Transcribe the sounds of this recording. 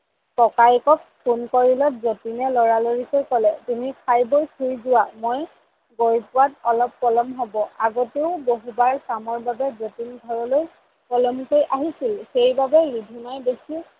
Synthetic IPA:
kɔkajkɔk̚pʰunkoɹilɔtzotinɛlɔɹaloɹikojkɔlɛtunikʰajbojkʰuɹzʊwamoj | ɡoɹpʊwatɔlɔpːɔlɔmɦɔbɔaɡɔteʊboɦubaɹkamɔɹbabɛzotinɡʱɔɹɔloj | pɔlɔmkojʔaɦisilxejbabɛɹibʱinajdekʰi

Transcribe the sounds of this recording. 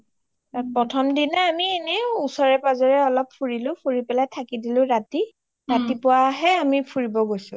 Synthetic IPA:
apɹɔtʰɔmdinaamiɛnɛusɔɹɛpazɔɹɛɔlɔpfʰuɹilʊ̃pʰuɹipɛlajtʰakidilʊ̃ɹati | ɹatipʊwaɦɛamipʰuɹibɔɡojsʊ̃

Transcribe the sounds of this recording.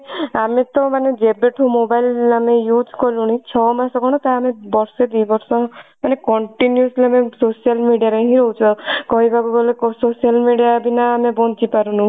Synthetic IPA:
amet̪ɔmaned͡ʒebeʈʰumobailamejud͡ʒʱkɔluñit͡ʃʰɔmasɔɡʱɔɽ̃ɔt̪aamebɔɾsed̪ijbɔɾsɔmanekɔɳʈinjusleamesosialmiɖijaɾeɦĩɾɔɦut͡ʃʰuakɔɦibʱakuɡolekɔsosijalmiɖiabʱinaːmebɔnt͡ʃipaɾunũ

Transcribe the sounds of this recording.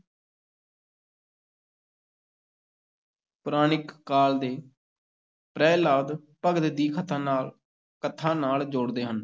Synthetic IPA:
pʊɾaːnɪkːaːld̪eː | pɾɛːlaːʋd̪ | pəɡt̪d̪iːkʰət̪ʰãːnaːl | kət̪ʰːãːnaːld͡ʒoːɽd̪eːɦən

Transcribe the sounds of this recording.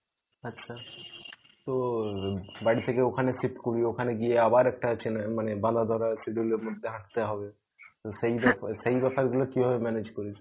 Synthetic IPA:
ɐtːʃʰa | t̪o | baɽit̪ʰekeokʰanesipkoɾiokʰaneɡieabaɾɛk̚ʈat͡ɕenmanebãd̪ad̪ʱɔɾasiɖuleɾmod̪ʱːeɦãʈ̚t̪eɦɔbe | t̪osejbɛsejbɛpaɾɡulokiɦɔbemɛned͡ʑkoɾit͡ɕʰe̥

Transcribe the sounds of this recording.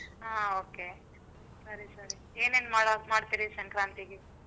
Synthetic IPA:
aːoːke | sɐɾisɐɾi | eːneːnmaːɽɐmaːɽt̪iɾisɐŋkɾaːnt̪iɡe

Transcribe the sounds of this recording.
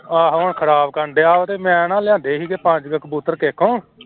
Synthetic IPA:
aːɦoːɳkʰəɾaːbkəɾɳɖeːaːot̪eːmɛ̃ːnãːlɪãːnd̪eːɦiːkeːpə̃ɲd͡ʒɡəkəbuːt̪əɾkeːkʰõː

